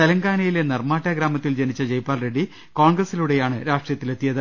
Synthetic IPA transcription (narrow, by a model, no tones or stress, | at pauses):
t̪ɐlɐŋɡaːnɐjilenɐrmaːʈːaɡɾaːmɐt̪ːild͡ʑenit͡ɕːɐd͡ʑejpːaːlreɖːi | ko̞ːɳɡrɐsiluɽe̞jaːɳɨɾaːʂʈrijɐt̪ːile̞t̪ːijɐðɨ